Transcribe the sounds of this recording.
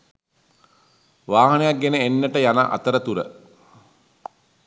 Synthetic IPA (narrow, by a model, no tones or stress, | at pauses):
ʋaːɦɐnejak̚ɡenəenːəʈəjana̰ʔa̰t̪əɾət̪uɾə̰